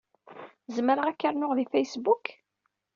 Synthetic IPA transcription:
zəməɾəʁækːəɾnʊʁðifæjsbuk

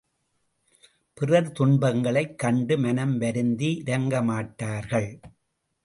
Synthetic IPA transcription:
pɪrɐɾt̪ʊɳbɐŋɡɐɭɐɪkːɐɳɖɯmɐnɐmʋɐɾɯnd̪iɪɾɐŋɡɐmaːʈːaːɾɣɐɭ

